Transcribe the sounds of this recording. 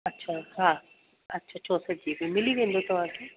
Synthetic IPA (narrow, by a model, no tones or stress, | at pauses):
ɐtːʃʰahã | ɐtːʃʰat͡ʃʰoːsəd͡ʒiːbimɪliʋẽːnd̪ot̪ʊʋãke